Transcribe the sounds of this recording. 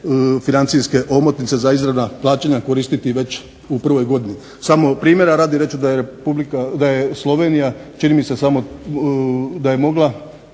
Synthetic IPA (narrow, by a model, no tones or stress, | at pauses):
finant̪siske̞ʔo̞mot̪nit̪se̞zaizɾad̪naplˠaːt͡ɕeɲako̞ɾist̪it̪iʋe̞t͡ʃ | upr̩ʋo̞jɡo̞d̪ini | samo̞pɾiːmje̞ɾaɾaːd̪iɾe̞t͡ʃud̪aeɾepublikad̪ajeslˠo̞ʋe̞nijat͡ʃinimise̞samo̞ | d̪aje̞mo̞ɡlˠa